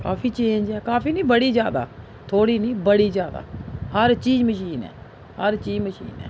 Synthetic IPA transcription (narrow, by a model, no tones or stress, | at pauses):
kaːfʰiːt͡ʃẽːnd͡ʒɛːkaːpiːnĩːbəɽiːzjaːd̪a̰ː | t̪ʰoːɽiːnĩːbəɽiːzjaːd̪a̰ːhəɾt͡ʃiːd͡ʒməʃ̬iːnɛ̰ː | həɾt͡ʃiːzməʃḭːnɛ̰ː